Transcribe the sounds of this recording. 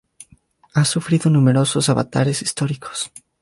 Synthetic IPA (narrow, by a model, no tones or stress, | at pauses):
asufɾiðonumeɾososaβa̰t̪a̰ɾesist̪ɔɾikʰo̥s